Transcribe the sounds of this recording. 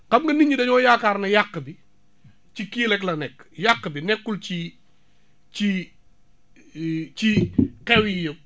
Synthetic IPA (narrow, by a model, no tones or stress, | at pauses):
kɐmŋɡɐniɲidɐɲɔːjaːkaːrnɐjakːəbi | t͡ʃikiːlɛklɐnɛkːjakːəbinɛkːult͡ʃi | t͡ʃi | t͡ʃikɛwijəw̚